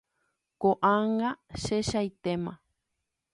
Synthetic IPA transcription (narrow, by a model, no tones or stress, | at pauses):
koʔaŋãʃeʃajt̪emã